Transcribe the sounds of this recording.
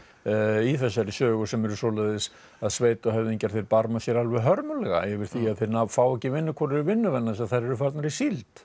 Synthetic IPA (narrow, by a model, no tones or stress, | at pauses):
iθɛsːaɾsœːɣʏsɛmɛɾʏsoːlɛðɪs | aðsveːjt̪ɔɦɛvðiɲcaɾ̥θeɪjɾpaɾmasjɛɾalvɛɦœɾmʏlɛɣa̰ɛvɪɾ̥θiaðθɪɾnafaːwɛhcɪvɪnːʏkʰɔɾɛɾʏvɪnːʏvɛnːaðsaðθaɾɛɾʏfaɾt̪naɾisilt̪